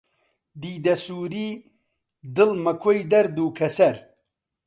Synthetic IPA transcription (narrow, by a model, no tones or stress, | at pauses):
d̪iːd̪ɐsuːɾi | d̪ɨlmɐkʰojd̪ɐɾd̪uːkʰɐsɐɾ